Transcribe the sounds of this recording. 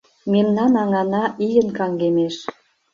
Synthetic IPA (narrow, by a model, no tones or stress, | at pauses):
memnɑnɑŋɑnɑʔijənkɑŋɡemeʃ